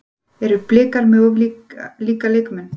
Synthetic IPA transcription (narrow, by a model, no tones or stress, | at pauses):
ɛɾʏplɪːkaɾmɛðɔvliliːkalejkmɛn